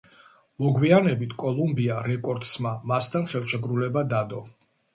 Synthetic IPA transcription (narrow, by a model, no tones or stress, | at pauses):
mɔɡwianɛbit̪ʰkʼɔlˠumbiaɾɛkʼɔɾd̪smamast̪ʰanχɛlˠʃɛɡɾulɛbad̪ad̪ɔ